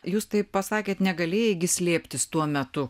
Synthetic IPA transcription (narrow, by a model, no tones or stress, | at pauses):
juːst̪ɐɪpɐsɑːkʲeːt̪nʲɛɡɐlʲeːjɛɡʲɪsʲlʲeːpʲt̪ʲɪst̪uɔmʲɛt̪ʊ